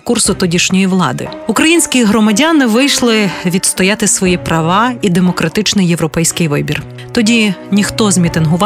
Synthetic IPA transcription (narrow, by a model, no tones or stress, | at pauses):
kursʊt̪ɔdʲiʃnʲɔjiʋlˠɑ̰d̪ɪ̰ | ukɾɐjinʲsʲkʲiɦɾɔmɐdʲanɪʋɪjʃlˠɪʋʲid̪st̪ɔjat̪ɪsʋɔjipɾɐʋɑid̪emɔkɾɐt̪ɪt͡ʃnɪjeʋɾɔpɛjsʲkɪjʋɪbʲir | t̪ɔdʲinʲixt̪ɔzmʲit̪ɪnɦʊʋɑ